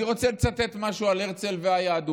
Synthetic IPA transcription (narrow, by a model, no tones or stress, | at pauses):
iʁo̞t͡selt͡sat̪ːet̪maʃualeʁt͡selveajaːd̪u